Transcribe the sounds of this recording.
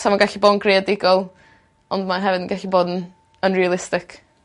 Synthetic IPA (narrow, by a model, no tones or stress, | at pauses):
samaɡaɬiboːdnɡreadɪɡɔlˠ | ɔndmaɦɛvɨdən̩ɡaɬiboːdn | ənrialˠɪstɪkʰ